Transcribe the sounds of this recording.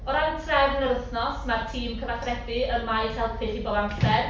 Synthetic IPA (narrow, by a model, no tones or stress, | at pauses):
ɔɾantʰrɛvənəɾəθnɔsmartʰiːmkʰəvaχrɛdɪənmajsɛlˠpʰɨχibɔdantʰɛr